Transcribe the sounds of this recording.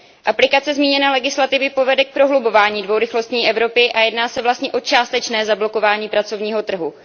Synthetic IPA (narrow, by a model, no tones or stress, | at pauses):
ʔaplɪkat͡sɛzmiːɲɛnɛːlɛɡɪslat̪ɪvɪpo̞vɛdɛk̚pɾo̞ɦlubo̞vaːɲiːdvowɾɪxlo̞st̪ɲiːʔɛvɾo̞pɪʔajɛdnaːsɛvlast̪ɲɛʔo̞t͡ʃaːst̪ɛt͡ʃnɛːzablo̞ko̞vaːɲiːpɾat͡so̞vɲiːɦo̞t̪r̩ɦu